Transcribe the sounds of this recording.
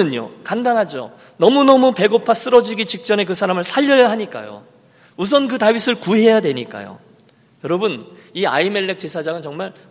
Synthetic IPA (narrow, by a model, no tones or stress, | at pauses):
ɯɲo̰kandanɦad͡ʑo̰ | nʌmunʌmupe̞ɡopʰas͈ɯɾʌd͡ʑiɡit͡ɕik̚t͡ɕ͈ʌne̞k̬ɯsʰaɾamɯɭsʰaʎːʌjaɦaɲik͈a̰jo̰ | us̬ʰʌnkɯtaɥisʰɯɭkuɦe̞jadweɲik͈a̰jo̰ | jʌɾʌbɯnia̰ime̞ɭːe̞k̚t͡ɕ͈e̞sʰad͡ʑaŋɯnt͡ɕʌŋmaɭ